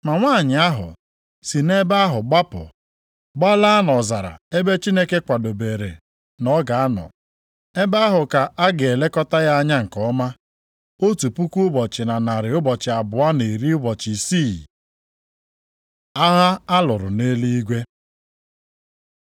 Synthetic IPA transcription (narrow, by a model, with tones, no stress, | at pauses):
ma˨ŋʷaː˦˨ɲɪ˨a˦ɦʊ̰˨ | si˨ne˦ba˦ɦʊ˨ɡ͡ba˦pʊ̰˨ | ɡ͡ba˦la˦a˦nɔ˨za˨ɾa̰˨e˦be˦t͡ʃi˦ne˦ke˦kʷa˨do˨be˨ɾe˨ | nɔ˦ɡa˨a˦nɔ̰˨ | e˦ba˦a˦ɦʊ˨ka˨ʔa˦ɡe˨le˦kɔ˦ta˦ja˦a˦ɲa˦ŋ̩˨kɔ˦ma˦ | o˦tu˨pu˦ku˦ʊ˦bɔ˨t͡ʃɪ˨na˨na˨ɾɪ˨ʊ˦bɔ˨t͡ʃɪ˨a˨bʊ˨a˦ne˨ɾi˦ʊ˦bɔ˨t͡ʃi˨si˦˨ | a˦ɦa˦a˦lʊ˨ɾʊ˨ne˦li˦i˦ɡʷe˦